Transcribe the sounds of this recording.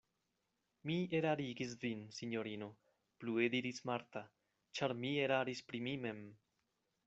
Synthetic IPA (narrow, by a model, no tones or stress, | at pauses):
mieɾaɾiɡis̬vinsiɲo̞ɾino̞ | plue̞d̪iɾismaɾt̪a | t͡ʃaɾmie̞ɾaɾispɾimime̞m